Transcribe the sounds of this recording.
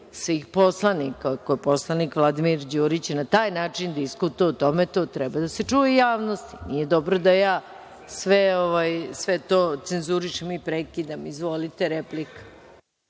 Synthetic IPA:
sʋixpo̞slˠanikakoepo̞slˠanikʋlˠad̪imiɾd͡ʑuːɾit͡ɕenat̪aːjnaːt͡ʂind̪iskut̪ujɛut̪omet̪oːt̪ɾɛbad̪aset͡ʂujejaːʋno̞st̪i̥nije̞d̪o̞bɾod̪ajaː | sʋeoʋajsʋet̪oːt̪senzuɾiʃemipɾekid̪amizʋolit̪eɾeplikḁ

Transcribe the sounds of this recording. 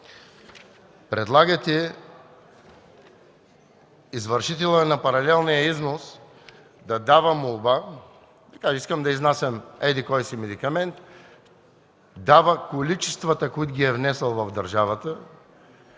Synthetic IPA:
pɾɛd̪lˠaɡət̪ɛ | izvəɾʃit̪ɛlˠənɐpɐɾɐlɛlˠnijəiznos | d̪ɐd̪avəmolˠba | d̪ɐkaʒɛiskəmd̪ɐiznasəmɛd̪ikɔjsimɛd̪ikɐmɛnt̪ | d̪avəkolit͡ʃɛst̪vət̪əkoit̪ʊɡʲiɛvnɛsəlˠvɐvd̪ɐɾʒavət̪ə

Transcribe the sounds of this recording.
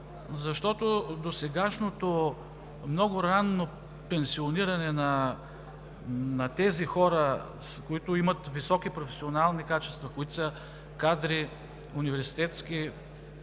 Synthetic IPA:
zɐʃt̪ɔt̪od̪osɛɡaʃnot̪o | mnɔɡʊɾanːo | pɛnsioniɾɐnɛnɐ | nɐt̪ɛzixɔɾə | skoit̪ʊimɐt̪visɔkipɾofɛ̥sionalˠnikat͡ʃɛst̪vɐkoit̪sɐ | kad̪ɾi | univɛɾsi̥t̪ɛt̪ski

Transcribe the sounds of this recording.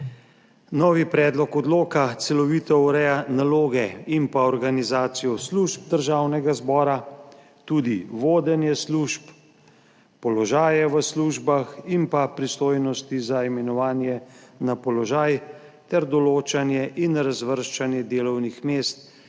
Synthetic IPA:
nɔːʋipɾɛːd̪lɔkɔd̪loːkat̪sɛlɔʋiːt̪ɔuɾɛjanaloːɡɛimpaɔɾɡanizaːt̪sijɔsluʒb̚d̪əɾʒaːwnɛɡazbɔːɾa | t̪ud̪iʋoːd̪ɛnjɛsluʃp | pɔlɔʒaːjɛʋəsluʒbaximpapɾist̪oːjnɔst̪izaimɛnɔʋaːnjɛnapɔlɔʒaːj | t̪ɛɾd̪ɔloːt͡ʃanjɛʔinɾazʋəɾʃt͡ʃanjɛd̪eːlɔwnixmeːst̪

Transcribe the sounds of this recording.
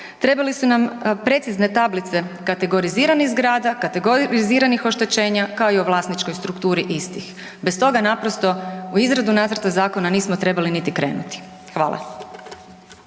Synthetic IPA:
t̪ɾe̞balisunampɾe̞t̪sizne̞t̪ablit̪se̞kat̪e̞ɡo̞ɾiziːɾaniɣzɡɾaːd̪akat̪e̞ɡoɾiziːɾanixo̞ʃt̪e̞t͡ɕe̞ːɲakaoioʋlˠaːsnit͡ʃko̞jst̪ɾukt̪uːɾiʔist̪ix | best̪o̞ɡanapɾo̞st̪o̞uizɾad̪unaːt̪sɾt̪azaːko̞naniːsmot̪ɾe̞balinit̪ikɾe̞ːnut̪i̥ | xʋaːlˠʔa̰

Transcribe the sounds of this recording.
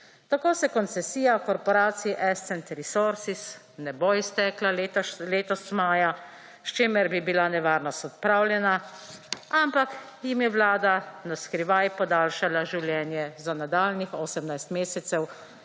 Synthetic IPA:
t̪akoːsɛkɔnt̪sɛsiːjakɔɾpɔɾaːt̪siiʔɛst̪ɛnt̪ɾisoɾsis | nɛboist̪ɛːklalet̪ɔleːt̪ɔst̪maːja | ʃt͡ʃeːmɛɾbibilanɛʋaːɾnɔst̪ɔt̪̚pɾaːwljɛna | ampak | jimjɛwlaːd̪anaskɾiʋajpɔd̪aːlʃalaʒiwljɛːnjɛzanad̪aːlnixoːsɛmnajst̪meːsɛt̪sɛw

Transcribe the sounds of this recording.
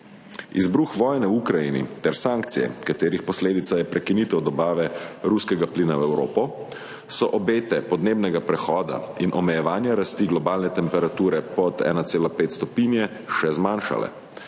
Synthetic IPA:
ḭzbɾuːxʋɔːjnɛwukɾajḭnḭt̪ɛɾsaːŋkt̪sijɛ̰kat̪eːɾixpɔsleːd̪it̪sajɛpɾʔɛkinit̪ɛwd̪ɔbaːʋɛɾuskɛɡapliːnawɛwɾo̰ːpɔ | sɔʔɔbeːt̪ɛpɔd̪neːbnɛɡapɾɛxɔːd̪a̰inʔɔmɛjɛʋaːnjaɾast̪iːɡlɔbaːlnɛt̪ɛmpɛɾat̪uːɾɛpɔt̪ɛ̰ːnaseːlapeːt̪st̪ɔpiːnjɛ | ʃɛzmaːnʃa̰lɛ̰

